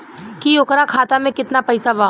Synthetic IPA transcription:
kijokɾakʰaːt̪amẽkɪt̪napɐjsabaː

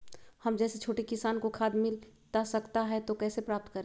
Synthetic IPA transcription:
hɐmd͡ʒɛːset͡ʃʰoːʈikɪsaːnkokʰaːd̪mɪlt̪asɐkt̪aɦɛt̪okɛːsepɾaːp̚t̪kɐɾẽː

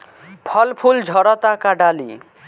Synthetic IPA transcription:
pʰʌlpʰuld͡ʒʱʌɾʌt̪akaɖalḭ

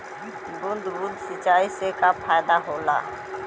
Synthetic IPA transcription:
bund̪bud̪sit͡ʃʼaisekapʰajd̪aɦʊla̰

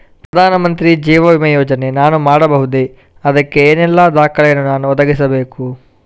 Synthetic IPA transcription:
pɾɐd̪ʱaːnɐmɐnt̪ɾid͡ʒiːʋɐʋimɐjɔːd͡ʒɐne̞naːnumaːɽɐbɐɦud̪e | ɐd̪ɐkːe̞eːnɛlːɐd̪aːkɐɭɐjɐnːunaːnuɔd̪ɐɡisɐbeːku

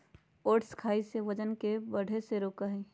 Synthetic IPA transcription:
oːʈskʰaːiseʋəd͡ʒənkebəɽ̤ʱeseɾoːkaɦi

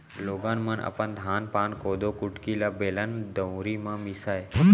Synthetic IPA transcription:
loːɡaːnmənə̰pənd̪ʱaːnpaːnkoːd̪oːkʊʈkilaːbeːlənd̪ə̃wɾiːmãːmisaːe

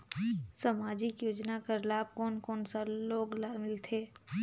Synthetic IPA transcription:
səmaːd͡ʒɪkjoːd͡ʒnakəɾlaːb̚kɔːnkɔːnsaloːɡlaːɾmɪlt̪ʰeː

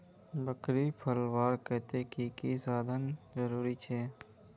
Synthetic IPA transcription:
bəkɾipʰəlwaːɾkɛɦt̪ekikisaːd̪ənzəɾuːɾit͡ʃʰɛː

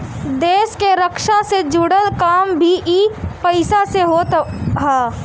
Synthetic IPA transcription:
d̪eːʃkeɾəkʃased͡ʒʊɽəlkaːmbʱiʔiːpɐɪsaseɦoːt̪ɦaː

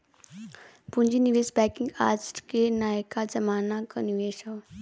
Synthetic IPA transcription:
pʊ̃ɲd͡ʒiniʋeːsbɛːkĩŋɡaːsʈkenaːjəkad͡ʒɐmaːnakɐniʋeːʃaw

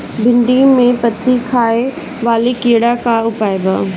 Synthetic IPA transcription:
bʱɪ̃ɳɖimẽpɐt̪ikʰaːe | ʋaːlikiːɽakaːʊpaːebaː

